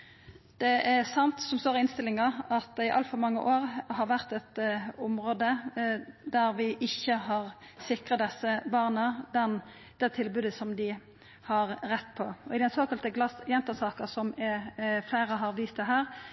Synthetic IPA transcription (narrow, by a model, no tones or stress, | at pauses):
d̪̥ɛʔæsɑnt̪sɔmst̪oːɾɪɪnst̪ɪlɪŋɑɑt̪ɛɪʔɑ̰lt̪fɔɾmɑŋːə̰ʔoːʁɦɑɾʋæʁt̪ɛt̪ɔmɾoːd̪ə | d̪æɾʋɪʔɪçːəɦɑʁ | sɪkʁɑt̪d̪ɛsːəbɑʁnəd̪ɛn | d̪̥ɛt̪ʰɪlbʉːd̪əsɔmd̪ɪ | hɑʁɾɛt̪ːpʰɔɔɪd̪ɛnsoːkɑlt̪əɡlɑsjɛnt̪əsɑːkəsɔm | fleːɾəɦɑɾʋiːst̪əɦæːʁ